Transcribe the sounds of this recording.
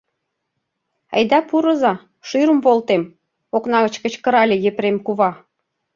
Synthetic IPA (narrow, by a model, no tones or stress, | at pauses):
ɑ̰jd̪ɑpuɾɤ̆zɑ | ʃyɾəmvolt̪em | oknɑɣə̆t͡ɕkə̆t͡ɕkə̆ɾɑlʲejepɾemkuβɑ